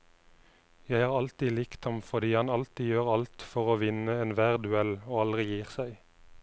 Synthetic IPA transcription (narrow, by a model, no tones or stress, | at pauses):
jæɪhɑːʁɑlt̪iːlɪkt̪ɑmfɔʁd̪iːhɑnɑlt̪iːjøːʁɑlt̪fɔʁoːʋɪnəeːnʋæːʁd̪ʉɛloːɑlʁɪjiːʁsæɪ